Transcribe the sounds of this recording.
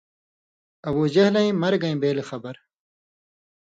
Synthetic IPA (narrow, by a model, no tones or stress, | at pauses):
ɐwuːd͡ʑɐhlɐ̃ĩmɐɾɡɐĩbeːlexɐbɐɾ